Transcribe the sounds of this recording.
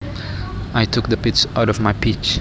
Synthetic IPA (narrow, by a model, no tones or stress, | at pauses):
ajtʰʊk̚d̪əpɪtsaʊɾɔvmajpʰit͡ʃ